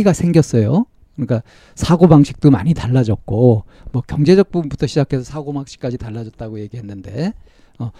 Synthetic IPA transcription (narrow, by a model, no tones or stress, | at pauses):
iɡasʰe̞ŋɡjʌs͈ʌjo | kɯɲik͈a | sʰaɡobaŋɕʰi̥k̚t͈oma̰ɲitaɭːad͡ʑʌk̚k͈o | mwʌkjʌŋd͡ʑe̞d͡ʑʌk̚pumbutʰʌɕʰid͡ʑakʰe̞sʰʌsʰaɡobaŋɕʰi̥k͈ad͡ʑitaɭːad͡ʑʌt̚t͈aɡoje̞ɡiɦe̞nːɯnde̞̰ | ʌ